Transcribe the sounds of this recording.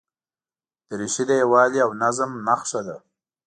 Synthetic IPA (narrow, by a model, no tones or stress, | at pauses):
d̪̥əɾiʃid̪ajewɑːliawnazəmnaxʂad̪a